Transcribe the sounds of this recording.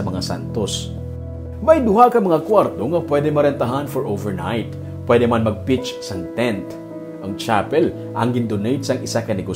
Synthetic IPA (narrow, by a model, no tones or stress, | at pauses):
ɐmɐŋasa̰nt̪os | mɐjd̪ʊhakɐmɐŋakwaɾt̪oŋɐpwɛd̪ɛmɐɾɛnt̪ɐɦanfɔɹʔowvɛɹna̰jt̪ | pwɛd̪ɛmanmɐɡ̚pɪt͡ʃsɐŋt̪ɛnt̪ | ʔɐŋt͡ʃapɛl | ʔɐŋɡɪnd̪onejt̪̚sɐŋɪsakɐnɛɡo